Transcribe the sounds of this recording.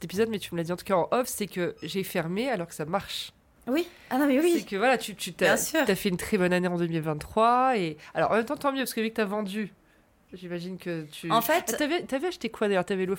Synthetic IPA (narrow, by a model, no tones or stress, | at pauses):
sɛt̪epizɔd̪mɛt̪yməlad̪iɑ̃t̪u̥kaɑ̃ʔɔfsɛkəʒɛfɛʁmealɔʁkə̥samaʁʃ | wi | anɔ̃mɛwisɛkəvwalat̪yt̪yt̪aɛ̃tsyafɛynt̪χɛbɔnaneɑ̃d̪əmilvɛ̃nt̪ːχwaealɔ̰ʁɑ̃mɛmt̪ɑ̃t̪ɑ̃mjøpaskəvikət̪yavɑ̃d̪y | ʒimaʒinkət̪ʰyɑ̃fɛttyavɛt̪yavɛaʃt̪ekwad̪ajœʁt̪yavɛlo